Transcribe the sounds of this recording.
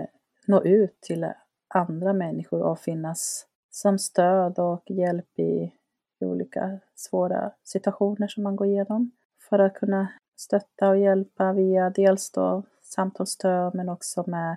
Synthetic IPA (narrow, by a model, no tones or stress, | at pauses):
noːʔʉ̟ːt̪ʰːɪl | ʔand̪ɾamɛnːɪɧʊɾɔ̰fɪnːasː | ɔmst̪øːd̪ɔkjɛlpɪ̰ | ṵːlḭːka̰svoːɾa̰sɪt̪ɵaɧuːnəʂɔmːanɡoːɾɪjeːnɔm | fœɾat̪̚kʰɵnːa | st̪œt̪ːaɔjɛlpaviːad̪eːlsd̪o̰ː | samt̪ʰɑːlst̪øːd̪mɛnɔksɔmɛ